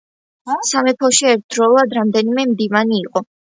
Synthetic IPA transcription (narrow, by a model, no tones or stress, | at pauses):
samɛpʰɔʃiɛɾt̪̚ʰd̪ɾɔlˠad̪ɾamd̪ɛnimɛmd̪ivaniːqʼɔ